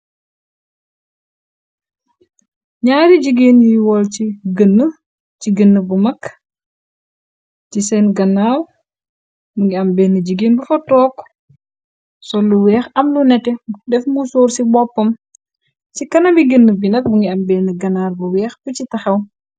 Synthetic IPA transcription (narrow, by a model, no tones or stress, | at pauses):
ɲaːɾid͡ʒəɡeːnjijwɔlt͡ʃiɡənːə | t͡ʃiɡənːəbumɐk | tisɛnɡɐnːaːw | buŋɡiɐmbɛːhnəd͡ʒəɡeːnbufɔtɔːk | sɔlːuwɛːxɐmlunɛtɛdɛfmusoːɾsibɔpːɐm | t͡ʃikɐnɐbiɡənːəbinɐk̚buŋɡiɐmbɛːhnəɡɐnaːɾbuwɛːxbucitɐxɐw